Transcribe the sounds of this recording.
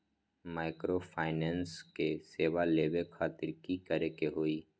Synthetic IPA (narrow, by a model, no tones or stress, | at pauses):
maːɪkɾopʰaːɪnẽːnskeseːʋaleːʋekʰaːt̪ɪɾkikəɾekeɦoːiː